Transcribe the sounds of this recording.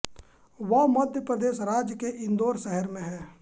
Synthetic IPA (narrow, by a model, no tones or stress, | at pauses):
ʋɐmɐd̪ʱjəpɾəd̪eːʃɾaːd͡ʒjəkeʔɪ̃nd̪oːɾʃɛɦəɾmẽɦɛː